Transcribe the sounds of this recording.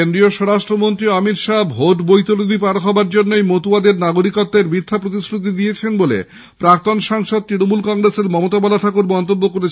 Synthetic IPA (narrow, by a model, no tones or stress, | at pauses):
end̪ɾioʃɔɾaʃʈɾomont̪ɾioamiɾʃabʱoʈbojt̪olod̪ʱipaɾoɦɔbaɾd͡ʑonːoejmot̪uad̪eɾnaɡoɾikɔt̪ːeɾbit̪ʰːapɾot̪isɾut̪̬id̪ijet͡ɕʰenbolḛ | pɾak̚t̪onʃaŋʃod̪̚t̪ɾinomulkɔŋɾeseɾmɔmot̪abalat̪ʰakuɾmɔnt̪obːokoɾet͡ɕʰ